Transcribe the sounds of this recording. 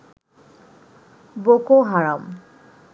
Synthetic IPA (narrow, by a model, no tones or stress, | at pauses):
bokoɦaɹam